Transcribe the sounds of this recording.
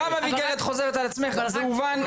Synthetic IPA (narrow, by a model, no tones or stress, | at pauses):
amaviɡeʁet̪χo̞zeet̪alat͡smeχzemuvan